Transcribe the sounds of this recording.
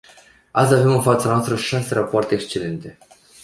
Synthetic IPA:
a̰ave̞mɨnfat̪sanowast̪ɾəʃaserapoart̪e̞ːkst͡ʃe̞le̞nt̪e̞

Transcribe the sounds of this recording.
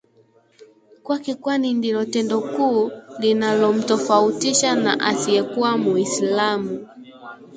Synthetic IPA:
kwakikwanindilɔtɛndɔkuːlinalɔm̩tɔfautiʃana̰ʔasiɛkuamuislamu

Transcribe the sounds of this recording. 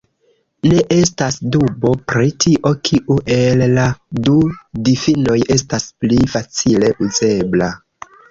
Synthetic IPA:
ne̞ʔe̞stasdubo̞pɾitʰiʔo̞kʰiʔuʔe̞lːadudifino̞je̞stasplifat͡sile̞ʔuze̞bla

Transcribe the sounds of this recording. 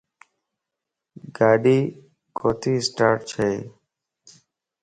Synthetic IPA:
ɡaːɖiː | koːt̪ʰiːsʈaːɾʈ̚t͡ʃʰeː

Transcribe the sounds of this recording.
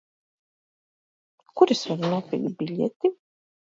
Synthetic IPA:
kuɾisvaɾnuɔpʲḭlʲbilʲɛ̰t̪i

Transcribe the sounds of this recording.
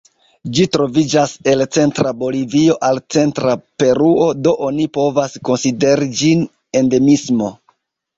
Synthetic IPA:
d͡ʒitɾo̞vid͡ʒase̞lt͡se̞ntɾabo̞livio̞ʔalt͡se̞ntɾape̞ɾuo̞do̞ʔonipo̞vasko̞nside̞ɾid͡ʒin | e̞nde̞mismo̞

